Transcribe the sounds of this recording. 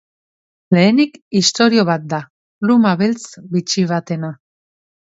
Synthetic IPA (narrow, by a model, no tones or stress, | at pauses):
le̞ːnikist̪o̞ɾio̞β̞at̪̚d̪a | lumaβelt͡sbit͡ʃiβ̞at̪e̞na